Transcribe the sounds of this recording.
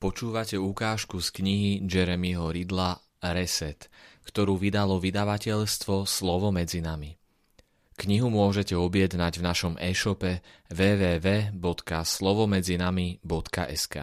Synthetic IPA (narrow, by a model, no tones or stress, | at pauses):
pɔt͡ʃuːʋacɛukaːʃkuskɲiɦid͡ʒɛɾɛmiɦɔɾid̪la | ɾɛsɛt̪kt̪ɔɾuːʋid̪alɔʋid̪aʋacɛʎst̪ʋɔslɔʋɔmɛd͡zinami | kɲiɦumʊɔʒɛcɛɔbɪɛd̪naɟvnaʃɔmʔɛːʃɔpɛʋɛːʋɛːʋɛːbɔt̪kaslɔʋɔmɛd͡zinamibɔt̪ka̰ʔɛska̰ː